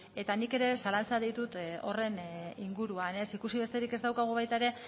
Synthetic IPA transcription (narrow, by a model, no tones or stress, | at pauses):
e̞t̪anike̞ɾe̞salant͡saðit̪ut̪o̞̰re̞niŋɡuɾuane̞sikusiβ̞e̞st̪e̞ɾike̞zd̪awkaɣ̞uβ̞ajt̪aeɾe̞